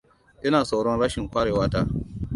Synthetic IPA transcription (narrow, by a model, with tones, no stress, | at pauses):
ʔɐ˦naː˨sa˨wɽɔ˦nɽaː˦ʃɪ˨ŋkʷaː˦ɽeː˨waː˦taː˦˨